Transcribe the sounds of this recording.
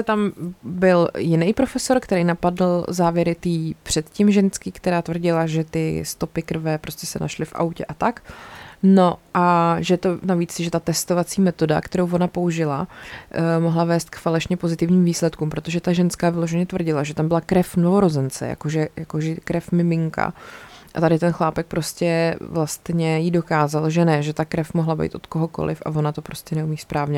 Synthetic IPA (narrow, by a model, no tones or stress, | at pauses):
ɛt̪ambɪljɪnɛjpɾo̞fɛso̞ɾkt̪ɛɾɛjnapadl̩zaːvjɛɾɪt̪iːpr̥ɛt̪cimʒɛnskɪkt̪ɛɾaːt̪vr̩ɟɪlaʒɛt̪ɪst̪o̞pɪkr̩vɛpɾo̞scɛsɛnʔa̰ʃlɪfʔa̰wcɛ̰ʔat̪akno̞ʔaʒɛt̪onaviːt͡sʒɛt̪at̪ɛst̪ovat͡siːmɛt̪o̞da̰kt̪ɛɾowvo̞napo̞uʒɪla̰ | mo̞ɦlavɛːst̪̚kfalɛʃɲɛpo̞zɪt̪ɪvɲiːmviːslɛt̪kumpɾo̞t̪o̞ʒɛt̪aʒɛnskaːvɪlo̞ʒɛɲɛt̪vr̩ɟɪlaʒɛt̪ambɪlakɾɛfnovo̞ɾo̞zɛnt͡sɛ̰ja̰koʒɛjakoʒɛkɾɛfmɪmɪŋka̰ʔat̪adɪt̪ɛnxlaːpɛk̚pɾo̞scɛvlast̪ɲɛjido̞kaːzalʒɛnɛʒɛt̪akɾɛfmoɦlabɛ̰jt̪ʔot̪ko̞ɦo̞ko̞̰lɪ̰fʔa̰vo̞nat̪o̞pɾo̞scɛnɛumiːspɾaːvɲɛ